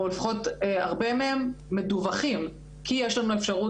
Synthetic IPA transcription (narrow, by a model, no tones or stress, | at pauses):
olefḁχo̞taʁbemehemːeduvaχim | kijeʃlanuefʃaʁu